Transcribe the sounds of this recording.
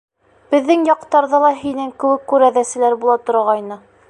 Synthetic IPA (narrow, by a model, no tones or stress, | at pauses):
b̥ɘ̆ðːɘŋjɑqt̪ɑɾðɤlˠɑɦinɘŋkɘ̆wɘkːʉɾæðæsɘ̆læɾbulˠɑt̪ŏɾɑʁɑjnɤ